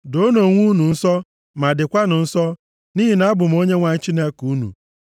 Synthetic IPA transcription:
do˦no˨ŋʷu˦nu˨n̩˦sɔ˦ | ma˨dɪ˨kʷa˦nʊ˨n̩˦sɔ˦ | niː˦ɦi˨na˦a˦bʊ˨m̩˦o˦ɲe˦ŋʷa˨ɲ̩˦t͡ʃi˦ne˦ku˦nṵ˨

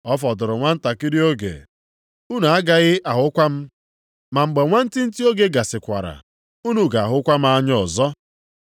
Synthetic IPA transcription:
ɔ˦fɔ˨dʊ˨ɾʊ˨ŋʷa˦n̩˦ta˨ki˦ɾi˦o˦ɡḛ˨ | u˦n˨a˦ɡa˦ɣɪ˦ʔa˨ɦʊ˦kʷa˦m̩˦ | ma˨ŋ͡m̩˨ɡ͡be˨ŋʷa˦n̩˦tɪ˦n̩˦ti˦o˦ɡe˦ɡa˨sɪ˨kʷa̰˨ɾa̰˨ | u˦nu˦ɡa˨a˨ɦʊ˦kʷa˦m̩˦a˦ɲɔ˨zɔ˦

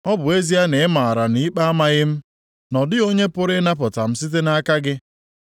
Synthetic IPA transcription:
ɔ˦bʊ˨e˦zi˦a˦ne˨ɪ˦ma˨a˨ɾa˨ni˦k͡pa˦a˦ma˦ɣɪ˦m̩˦ | nɔ˨dɪ˦o˦ɲe˦pʊ˦ɾɪ˦na˦pʊ˨ta˨m̩˦si˦t̬e˦na˦ka˦ɡɪ˦

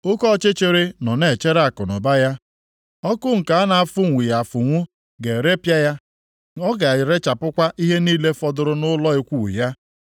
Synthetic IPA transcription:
ʊ˦kɔ˦˨t͡ʃe˦t͡ʃe˨ɾe˦nɔ˨ne˨t͡ʃe˦ɾa˦˨kʊ˨nɔ˨ba˦ja˦ | ɔ˦kʊ˦ŋ̩˨ka˨a˦na˨a˨fʊ˦ŋʷi˨ja˨fʊ˨ŋʷʊ˦ | ɡe˨ɾe˦pja˦ja˦ | ɔ˦ɡa˨a˨jɪ˨ɾe˦t͡ʃa˨pʊ˦kʷa˦ʔi˦ɦe˦niː˦le˦fɔ˦dʊ˨ɾʊ˦nʊ˦lɔ˦i˦kʷṵ˦˨ja˦

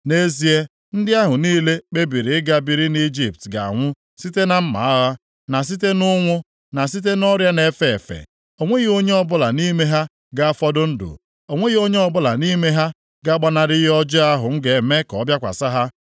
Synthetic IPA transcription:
ne˦zi˦e˦ | n̩˦dɪ˦a˦ɦʊ˨niː˦le˦k͡pe˦bi˨ɾi˨ɪ˦ɡa˦bi˨ɾi˦ni˦d͡ʒi˨p̚tɡa̰˨a̰˨ŋʷʊ˦ | si˦te˦na˦m̩˦ma̰˨a˦ɣa˦ | na˨s̬i˦t̬e˦nʊ˦ŋʷʊ˦ | na˨s̬i˦t̬e˦nɔ˦ɾja˦ne˨˦fe˨fḛ˨ | o˨ŋʷe˦ɣi˦o˦ɲe˦ɔ˦˨bʊ˦la˨ni˦me˦ɦa˦ | ɡa˦a˦fɔ˦dʊ˦n̩˦dʊ̰˨ | o˨ŋʷe˦ɣi˦o˦ɲe˦ɔ˦bʊ˦la˨ni˦me˦ɦa˦ | ɡa˦ɡ͡ba˦na˨ɾɪ˦ɦɔ˦d͡ʒɔ˦a˦ɦʊ˨ŋ̩˦ɡe˨me˦kɔ˨˦bja˦kʷa̰˨sa˦ɦa˦

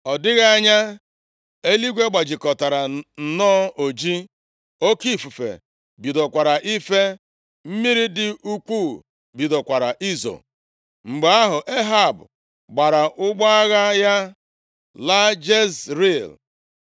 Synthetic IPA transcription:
ɔ˨dɪ˦ɣa˦ɲa˦ | e˦li˦ɡʷe˦ɡ͡ba˨d͡ʒɪ˨kɔ˨ta˨ɾa˨n̩˨nɔː˦o˨d͡ʒi˦ | o˦ki˦˨fu˨fḛ˨ | bi˨do˨kʷa˨ɾa˨ʔi˦fe˦ | m̩˦mi˦ɾi˦dɪ˨ʔu˦kʷu˦˨ | bi˨do˨kʷa˨ɾa˨ʔi˦zo̰˨ | ŋ͡m̩˨ɡ͡be˨a˦ɦʊ˨ʔe˦ɦa˦˨bʊ˨ | ɡ͡ba˨ɾa˨ʔʊ˦ɡ͡ba˦a˦ɣa˦ja˦ | la˦d͡ʒe˦sɾi˦˨l

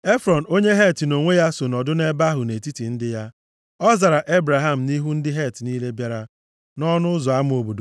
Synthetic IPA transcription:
e˦fɾɔ˨n̩˨o˦ɲe˦ɦe˦˨tno˨ŋʷe˦ja˦so˨nɔ˨dʊ˦ne˦ba˦ɦʊ˨ne˨ti˦ti˨n̩˦dɪ˦ja˦ | ɔ˦za˨ɾa˨ʔe˦bɾa˨ɦa˦m̩˨ni˦ɦu˦n̩˦dɪ˦ɦe˦˨tni˦le˦bja˦ɾa˦ | nɔ˦nʊ˦zɔ˨a˦m˦o˨bo˨do˨

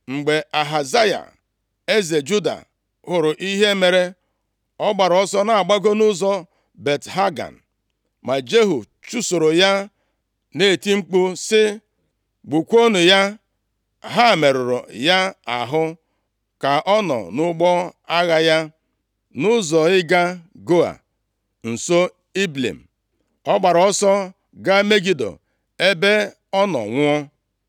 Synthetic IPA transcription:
ŋ͡m̩˨ɡ͡be˨a˨ɦa˨za˦ja̰˨ | e˦ze˨d͡ʒu˦da̰˨ | hʊ˨ɾʊ˨ʔi˦ɦe˦me˨ɾe˦ | ɔ˦ɡ͡ba˨ɾɔ˦sɔ˦na˨a˨ɡ͡ba˦ɡo˦nʊ˦zɔ˨ | be˨tɦa˦ɡa̰˨n̩˨ | ma˨d͡ʒe˦ɦu˨ | t͡ʃu˦so˨ɾo˨ja˦ | ne˦˨ti˦ŋ͡m̩˦k͡pu˦sɪ˦ | ɡ͡bu˨kʷo˦nʊ˨ja˦ | ɦa˦˨me˨ɾʊ˨ɾʊ̰˨ja˦a̰˨ɦʊ˦ | ka˨ʔɔ˦nɔ̰˨nʊ˦ɡ͡bɔ˦a˦ɣa˦ja˦ | nʊ˦zɔ˨ɪ˦ɡa˦ɡo˦a̰˨ | n̩˨so˦ | i˦blḛ˨m̩˨ | ɔ˦ɡ͡ba˨ɾɔ˦sɔ˦ | ɡa˦me˦ɡi˦do̰˨ | e˦be˦ | ɔ˦nɔ̰˨ŋʷʊ˦ɔ˦

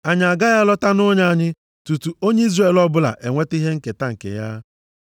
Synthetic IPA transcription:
a˨ɲ˨a˨ɡa˦ja˦lɔ˦ta˦nʊ˦ɲa˦a˦ɲɪ˦ | tu˨tu˨o˦ɲe˦i˦zre˦˨lɔ˦bʊ˦la̰˨ʔe˨ŋʷe˦ti˦ɦe˦ŋ̩˦ke˨ta˦ŋ̩˨kḛ˨ja̰˦

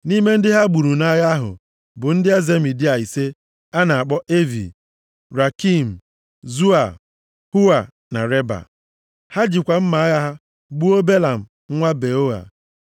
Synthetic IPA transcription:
ni˦me˦n̩˦dɪ˦ɦa˦ɡ͡bu˨ɾu˨na˦ja˦ɦʊ̰˨ | bʊ˨n̩˦dɪ˦a˦ze˦m̩i˨di˦a˨i˨se˦ | a˦na˨a˨k͡pɔ˦ʔe˦vḭ˨ | ɾa˨ki˦m̩˨ | zu˦a˨ | hu˦a˨ | na̰˨ɾe˦ba̰˨ | ha˦d͡ʒɪ˨kʷa˨m̩˦ma˨a˦ja˦ɦa˦ | ɡ͡bu˦o˦be˦la˨m̩˨ | ŋ̩˦ŋʷa˦be˨o˦a̰˨

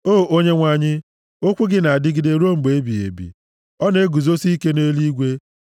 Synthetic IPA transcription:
oː˦˨o˦ɲe˦ŋʷa˨ɲɪ˦ | o˦kʷu˦ɡɪ˦na˨a˨dɪ˦ɡɪ˦de˨ɾu˦o˦ŋ͡m̩˨ɡ͡be˨e˦bi˨ḛ˨bḭ˨ | ɔ˦ne˦ɡu˨zo˦si˦ke˦ne˦li˦ɡʷe˦

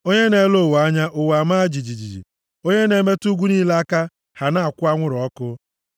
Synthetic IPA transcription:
o˦ɲe˦ne˨˦lo˦˨wa˦ɲa˦ʔʊ˨wa˨ma˦d͡ʒi˨d͡ʒi˨d͡ʒi˨d͡ʒḭ˨ | o˦ɲe˦ne˨˦me˦tu˦ɡʷu˦ni˦la˦ka˦ | ha˨na˦˨a˨kʷʊ˦a˦ŋʷʊ˦ɾɔ˦kʊ˦

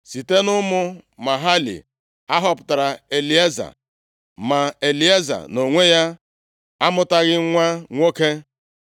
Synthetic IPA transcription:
si˨te˦nʊ˦mʊ˦ma˨ɦa˦lḭ˨ | a˦ɦɔ˦pʊ̥˨ta˨ɾa˨e˨li˨˦e˦za̰˨ | ma˨e˨li˨e˦za̰˨no˨ŋʷe˦ja˦ | a˦mʊ˦ta˦ɣɪ˦ŋʷa˦ŋʷo˦ke˦

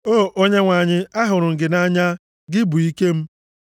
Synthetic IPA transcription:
oː˦˨ʔo˦ɲe˦ŋʷa˨ɲɪ˦a˦ɦʊ˨ɾʊ˨ŋ̩˨ɡɪ˨na˦ɲa˦ | ɡɪ˦bu˨i˦ke˦m̩˦

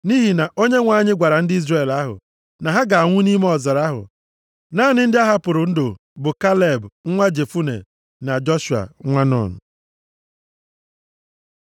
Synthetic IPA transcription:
ni˦ɦi˨na˨ʔo˦ɲe˦ŋʷa˨˦˨ɲɪ˦ɡʷa˨ɾa˨n̩˦dɪ˦i˦zre˨la˦ɦʊ̰˨ | na˨ɦa˦ɡa˨a˨ŋʷʊ˦ni˦me˦ɔ˨za˨ɾa˦ɦʊ̰˨ | naː˦˨nɪ˦n̩˦dɪ˦a˦ɦa˦pʊ˨ɾʊ˨n̩˦dʊ˨ | bʊ˨ka˦le˦˨bŋ̩˦ŋʷa˦d͡ʒe˨fu˦nḛ˨ | na˨d͡ʒɔ˦ʃu˨a̰˨ŋʷa˦nɔ̰˨n̩̰˨

